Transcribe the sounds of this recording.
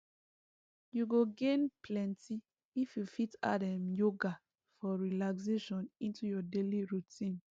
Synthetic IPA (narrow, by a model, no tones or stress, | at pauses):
juɡoɡẽnpʰlɛ̃nti | ifjufita̰dɛmjoɡa | fɔɹilakseʃɔ̃nĩntujɔdeliɹutĩn